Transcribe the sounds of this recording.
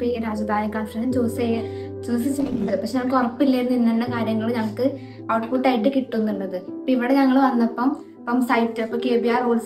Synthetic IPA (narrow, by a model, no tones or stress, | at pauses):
piɾaːd͡ʑɐd̪ʱaːnikaːnfɐɾɐnɖɐt͡ɕoːsejɐ | t͡ɕoːsit͡ɕːɐðɨpɐʂeɲɐŋːmɐɭkɨorɐpːilːɐjɾunːuinːɐɳːɐkaːɾjɐŋːɐɭɲɐŋɐɭkːɨ | aːʈkuʈːɐjiʈːɨkiʈːunːuɳɖɐðɨpːoiʋiɽeɲɐŋːɐɭʋɐnːɐpːɐm | ɐpːɐmsɐjtːɨɐpːoːkeːbiaːroːls